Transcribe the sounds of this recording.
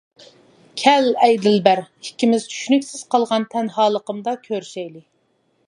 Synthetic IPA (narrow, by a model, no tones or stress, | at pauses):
kʲʰɛlɛjd̪ɪlbæɾhi̥kʲːimɪz̥t͡ʃʰy̥ʃnykʲsɪz̥qʰɑlˠʁɑnt̪ʰɛnɦɑːlˠəqəmd̪ɑkʲʰøɾʃɛjlɪ